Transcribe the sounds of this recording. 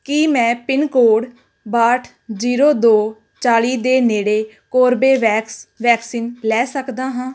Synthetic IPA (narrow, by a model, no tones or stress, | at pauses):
kimɛ̃ːpɪnkoːɽ | baːʈʰ | ziːɾoːd̪oː | t͡ʃaːliːd̪eːneːɽeː | koːɾbeːʋɛːksʋɛːksiːnlɛːsəkd̪aːɦãː